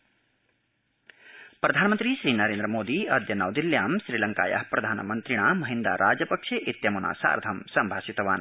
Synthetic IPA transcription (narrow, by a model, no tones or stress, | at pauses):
prɐd̪ʱaːnəmənt̪ɾisɾinʌɾend̪ɾəmod̪iʌd̪jɐnawd̪iljaːmsɾilɐŋka̰ja̰ɦprɐd̪ʱaːnmənt̪ɾiɽ̃amʌɦind̪a̰ɾʔaːd͡zjɐpʌkʂʰeʔit̪jɐmuna̰sa̰rd̪ʱʰɐmsɐmbʱaːsit̪ɐwa̰ːn